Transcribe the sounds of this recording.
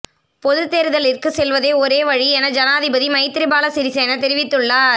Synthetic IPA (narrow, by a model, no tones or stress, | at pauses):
pɔðɯt̪ːeːɾɯðɐlɪrkɯsɛlʋɐðeːɔɾeːʋɐɻiɛnɐd͡ʒɐnaːðɪbɐðimɐɪt̪ːɪɾɪbaːlɐsɪɾɪseːnɐt̪ɛɾɪʋɪt̪ːɯɭːɐ